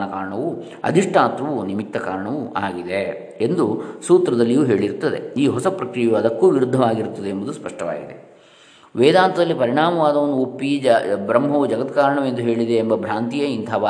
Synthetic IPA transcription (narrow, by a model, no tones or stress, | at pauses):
nɐkaːɾɐɳɐʋu | ɐ̰d̪ʱiʂʈʰaːt̪ʋɐʋunimit̪ːɐka̰ːɾɐɳɐʋua̰ːɡid̪e | end̪usuːt̪ɾɐd̪ɐlːijuːɦe̞ːɭiɾt̪ːɐd̪e̞̰iːɦɔsɐpɾɐkɾijɐʋɐd̪ɐkːuːʋiɾud̪ʱːɐʋaːɡiɾut̪ːɐd̪eːmbud̪uspɐʂʈʰɐʋa̰ːɡid̪e | ʋɛːd̪aːnt̪ɐd̪ɐlːipɐɾiɳaːmɐʋaːd̪ɐʋɐnːuopːibɾɐmːɦɐʋud͡ʒɐɡɐt̪kaːɾɐɳɐʋend̪uɦeːɭid̪eːmbɐbʱɾaːnt̪ijɐint̪ʰɐʋː